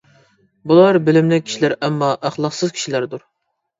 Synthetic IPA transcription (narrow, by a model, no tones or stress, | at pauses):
bulˠɑɾbelɪmlɛkʲʰi̥ʃilæɾɛmːɑʔæχlˠɑqsɨzkʲʰi̥ʃilæɾd̪uɾ